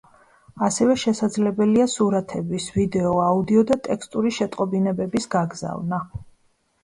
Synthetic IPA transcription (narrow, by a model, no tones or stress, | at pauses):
asɛvɛʃɛsad̪zlɛbɛliasuɾat̪ʰɛbisvid̪ɛɔaud̪iɔd̪at̪ʼɛkst̪ʼuɾiʃɛt̪ʼqʼɔbinɛbɛbisɡaɡza̰vna